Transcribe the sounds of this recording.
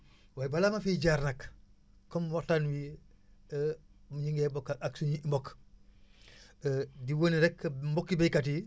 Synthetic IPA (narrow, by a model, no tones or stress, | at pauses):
wabalamafiɟaɾnak | kːɔmwatanwi | muɲiŋɡebokːaksuɲiimbɔk | diwoniɾɛkːmbɔkːibekat̬i